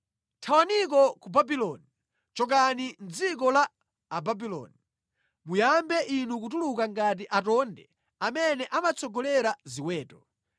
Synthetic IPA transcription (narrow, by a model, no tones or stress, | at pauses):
tʰawanik̬ɔkubabilɔni | t͡ʃɔk̬anind͡zik̬ɔlaː | babilɔ̰ni | mujambɛʔinuk̬ut̬ulukaŋɡat̬iʔatɔndɛ̰ | amɛnɛʔamat͡sʰɔɡɔlɛɾaziwɛːtɔ̥